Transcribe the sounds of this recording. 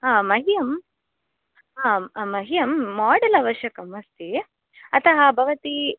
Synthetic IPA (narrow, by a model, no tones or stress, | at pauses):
ɦãːmɐɦijɐm | ɦãːmɐɦijɐmːaːɖɐlɐʋɐʃjɐkɐmɐst̪i | ɐt̪ɐɦɐbʱɐʋɐt̪i